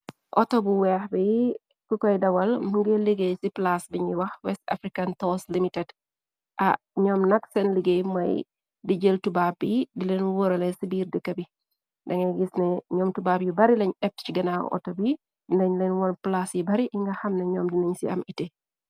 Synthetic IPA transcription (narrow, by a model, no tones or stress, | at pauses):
ʔɔ̰tɔbuwɛːxbɛji | kukɔjdɐwɐlmuŋɡeliɡejsiplasbiɲiwɐxwɛsta̰fɾikantɔslimitɛd | ʔɐ̰ | ɲɔːmnɐksɛnliɡejmɐ̰j | diɟəltubab̚ːidilɛnwɔɾɐlɛsibiːɾdɛkːɐbi | ndɐŋɛɡisnɛɲɔːmtubaːpjibɐɾilɛɲɗɛp̚t͡ʃiɡɐnaʔɔ̰tobi | ndɛɲlɛnwɔnplasjibɐɾiʔiŋɡɐxɐmnɛɲɔːmdinɐɲsḭɐ̰mite